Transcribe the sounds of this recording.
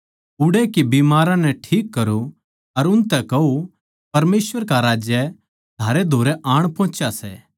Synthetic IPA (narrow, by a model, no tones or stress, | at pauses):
ʊɽekibiːmaːɾãnɛʈʰiːkːɐɾu | ɐɾʊnt̪ɛkɐu | pɐɾmeːsʋəɾkaɾaːd͡ʒjə | t̪ʰaːɾed̪ʱoːɾɛʔaːɽ̃pɔ̃ːt͡ʃasɛ̰ː